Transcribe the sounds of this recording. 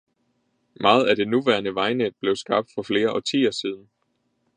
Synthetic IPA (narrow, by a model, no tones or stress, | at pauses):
mɑ̈ːð̩ˠæɾ̥e̝nuʋæɐnəʋɑ̈ɪne̥b̥le̝ʊsɡ̥ɑ̈b̥̚d̥fɒ̽fle̝ːɐʔɒ̽t͡sʰḭːɒsiːð̞ˠn̩